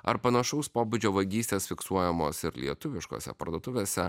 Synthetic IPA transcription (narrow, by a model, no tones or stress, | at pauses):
ɐ̰ɾpɐnɐʃɐʊspoːbʊd͡ʒʲoːʋɐɡʲiːsʲt̪ʲeːsfʲɪksuɔjɛmoːsɪɾlʲḭɛt̪ʊʋʲɪʃko̰ːsʲɛ̰pɐ̰ɾd̪oɔːt̪ʊʋʲeːsʲɛ